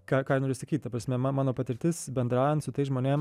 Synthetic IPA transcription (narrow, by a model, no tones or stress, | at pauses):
kɑːkɑːjɪnoːɾʲɪsɐkʲiːt̪̚ʲt̪ɐpɾɐsʲmʲɛmɑmɑːnoːpɐt̪ʲɪɾʲt̪ʲɪsbʲɛnd̪ɾɑːjɛnt̪sʊt̪ɐɪsʒmoːnʲem